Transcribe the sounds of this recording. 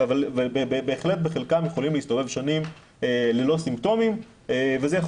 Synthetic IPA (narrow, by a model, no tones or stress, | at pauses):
avalvebebebeːχle̞t̪̚beχe̞lkamjeχo̞limliist̪ove̞vʃanim | elelo̞simpt̪o̞mim | evezejaχ